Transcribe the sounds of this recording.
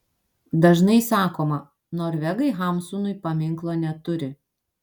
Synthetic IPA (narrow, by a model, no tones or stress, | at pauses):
d̪ɐʒnɐɪsɑːkoːmɐ | noːɾʲʋʲɛɡɐɪɦɑˑmsunʊɪpɐmʲɪŋklˠoːnʲɛt̪ʊɾʲɪ